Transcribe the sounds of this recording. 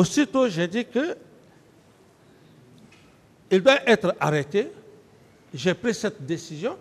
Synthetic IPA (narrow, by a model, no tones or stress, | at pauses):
osit̪oʒed̪ikə | ild̪waʔɛt̪ɾa̰ʁɛt̪e | ʒepɾisɛt̪̚d̪esizjɔ̃